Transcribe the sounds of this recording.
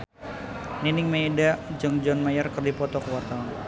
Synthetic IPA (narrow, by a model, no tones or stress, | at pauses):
ninɪŋmejdad͡ʒɨŋd͡ʒɔnmajərkərdipɔt̪ɔkəwart̪awan